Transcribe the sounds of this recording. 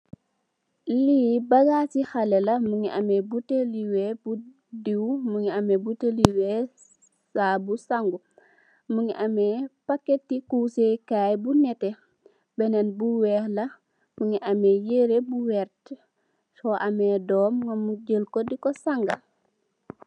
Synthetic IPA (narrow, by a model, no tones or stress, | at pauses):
liːbɐɡaːsixalɛlɐmuŋiʔamɛbuteliwɛbu | diwmuŋiamɛbuteliwɛ | sabusaŋɡu | muŋiʔamɛpakːetːikuːsekaːjbunɛte | bɛnɛnbuwɛːhlɐ | muŋiʔamɛjeɾebuwɛɾt | sɔʔamɛdɔːmŋamuɟəlkɔdikɔsaŋɡa